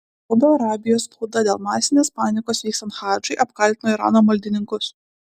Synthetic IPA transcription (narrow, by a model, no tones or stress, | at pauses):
sɐʊd̪oːɐɾɑːbʲɪjoːspɐʊd̪ɐd̪ʲeːlˠmɑːsʲɪnʲeːspɑːnʲɪkoːsʋʲiːksɐnxɑːd͡ʒʊɪʔɐpkɐlʲt̪ʲɪnoːiɾɑ̰ːnoːmɐlʲd̪ʲɪnʲɪŋkʊs